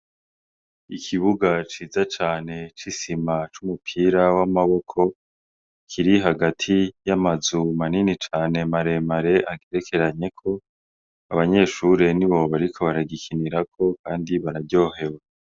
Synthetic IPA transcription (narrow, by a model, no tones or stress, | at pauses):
ikʰiβuɡat͡ʃiːzat͡ʃaːne̞t͡ʃisimat͡ʃumupʰiɾawamaβo̞kʰo̞ | kʰiɾiɦaɡatʰijamazumaninit͡ʃaːne̞maɾe̞maɾe̞ʔaɡeɾe̞kʰe̞ɾaɲe̞kʰo̞ | aβaɲe̞ːʃuɾe̞niβo̞βaɾikʰo̞βaɾaɡikʰiniɾakʰo̞kaːndiβaɾaɟo̞ːɦe̞we